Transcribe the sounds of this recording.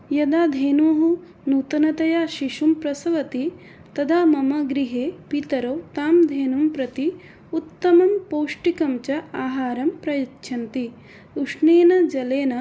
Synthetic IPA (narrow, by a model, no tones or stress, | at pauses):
jɐd̪aːd̪ʱeːnuːɦu | nuːt̪ɐnɐt̪ɐjaːʃiʂumpɾɐsɐʋɐt̪i | t̪ɐd̪ʱaːmɐmɐɡɾiɦeːpit̪ɐɾɐwt̪aːmd̪ʱeːnumpɾɐt̪i | ut̪ːɐmɐmpoːʂʈikɐmt͡ʃɐaːɦaːɾɐmpɾɐjɐtːʃʰɐnt̪i | uʂneːnɐd͡ʒɐleːnɐ